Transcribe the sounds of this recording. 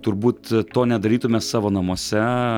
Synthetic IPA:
t̪ʊɾbuːt̪t̪oːnʲɛd̪ɐɾʲiːt̪ʊmʲeːsɑːʋoːnɐmuɔsʲɛ

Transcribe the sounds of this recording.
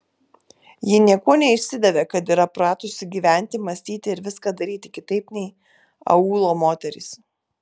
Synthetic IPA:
jɪnʲiɛkuɔnʲɛɪʃʲsʲɪd̪ʲɛʋʲeːkɐt̪iːɾɐpɾɑːt̪ʊsʲɪɡʲiːʋʲæˑnʲt̪ʲɪmɐsʲt̪ʲiːt̪ʲɪɪɾʋʲɪskɑːd̪ɐɾʲiːt̪ʲɪkʲɪt̪ɐɪpnʲɛɪ | ɐ̰uːlˠoːmoːt̪ʲɛɾʲɪ̰s

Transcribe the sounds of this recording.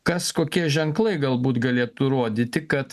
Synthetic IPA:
kɐskoːkʲiɛʒʲɛŋklˠɐɪɡɐlˠbuːt̪ɡɐlʲeːt̪ʊɾuɔd̪ʲiːt̪ʲɪkɐt̪

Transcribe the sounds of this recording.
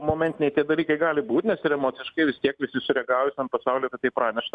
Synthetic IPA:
moːmʲɛnt̪ʲɪnʲɛɪt̪ʲiɛd̪ɐlʲiːkɐɪɡɑːlʲɪbuːt̪ʲnʲɛsɪɾɛmoːt͡s̪ʲɪʃkɐɪʋʲɪst̪ʲiɛkʋʲɪsʲɪsʊɾʲɛɡɑːʋʊsʲɐnpɐsɑʊlʲeːkɐt̪t̪ːɐɪpɾɑːnʲɛʃt̪ɐ

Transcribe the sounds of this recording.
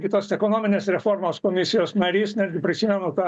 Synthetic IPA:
ɡʲɪt̪oːsɛkoːnoːmʲɪnʲeːsɾʲɛfoːrmoːskoːmʲɪsʲɪjoːsnɐɾʲiːsnʲæd̪ʲɡʲɪpʲɾʲɪsʲiːmʲɛnʊt̪ɑ

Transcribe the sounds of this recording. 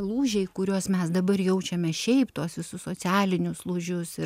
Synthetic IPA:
lˠuːʒʲɛɪkʊɾʲuɔsmʲɛsd̪ɐbɐrjɛʊt͡ʃʲɛmʲɛʃʲɛɪpt̪uɔsʋʲɪsʊssoːt͡s̪ʲæːlʲɪnʲʊslˠʊʒʲʊsɪ

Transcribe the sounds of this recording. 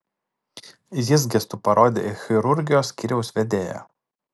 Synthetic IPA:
jʲɪzɡʲɛst̪upɐɾoːd̪ʲḛːɪxʲɪɾʊɾʲɡʲɪjoːsʲkʲiɾʲɛʊsʋʲɛd̪ʲeːjo̰

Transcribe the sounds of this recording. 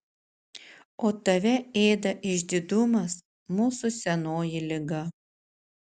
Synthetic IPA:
oːt̪ɐʋʲɛeːd̪ɐʔɪʒʲd̪ʲɪd̪ʊmɐs | muːsʊsʲɛnoːjɪlʲɪɡɐ

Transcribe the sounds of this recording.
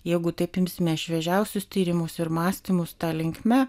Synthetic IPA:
jɛɪɡʊt̪ɐɪpɪmʲsʲɪmʲɛɪʃʲʋʲɛʒʲɛʊsʲʊst̪ʲiːɾʲɪmʊsɪɾmɑːsʲt̪ʲiːmʊst̪ɑːlʲɪŋʲkʲmʲɛ

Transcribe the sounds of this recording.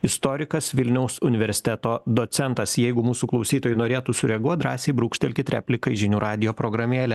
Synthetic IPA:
ɪst̪oːɾʲɪkɐsʋʲɪlʲnʲɛʊsʊnʲɪʋʲɛɾʲsʲɪ̥t̪ʲɛt̪oːd̪oːt̪sʲɛnt̪ɐsjɛɪɡʊmuːsuːklˠɒʊsʲiːt̪oːjunoːɾʲeːt̪uːsʊɾʲɛɡuɔt̪̚d̪ɾɑːsʲeɪbɾuːkʃʲt̪ʲɛlʲkʲɪt̪ɾʲæ̰ːpʲlʲɪkɐɪʒʲɪnʲuːɾʔɑːd̪ʲɪjoːpɾoːɡɾɐmʲeːlʲɛ

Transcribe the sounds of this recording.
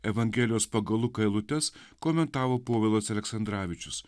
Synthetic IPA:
ɛʋɐŋʲɡʲɛːlʲɪjoːspɐɡɐlˠʊkɐɪlˠʊt̪ʲɛskoːmʲɛnt̪ɑːʋoːpoːʋʲɛlˠɐsɐlʲɛksɐnd̪ɾɑːʋʲɪt͡ʃʲʊs

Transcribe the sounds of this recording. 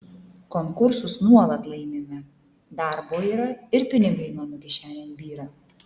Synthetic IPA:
kɔŋkʊɾsʊsnuɔlˠɐt̪lˠɐɪmʲeːmʲɛ | d̪ɑˑɾboːiːɾɐɪɾpʲɪnʲɪɡɐɪmɐnokʲɛʃʲæːlʲeːmbʲiːɾɐ

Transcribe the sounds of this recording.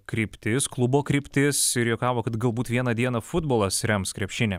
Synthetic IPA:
kɾʲiːpʲt̪ʲɪsklˠʊboːkɾʲiːpʲt̪ʲɪsɪɾjokɑːʋoːkɐt̪ɡɐlˠbuːt̪ʋʲiɛnɐd̪ʲiɛnɐfʊd̪boːlˠɐsɾʲɛmskɾʲɛpʲʃʲɪnʲɛ

